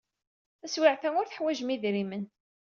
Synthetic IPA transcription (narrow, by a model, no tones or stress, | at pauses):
æswiʕθæŋʊɾθəħwæʒmiðɾimən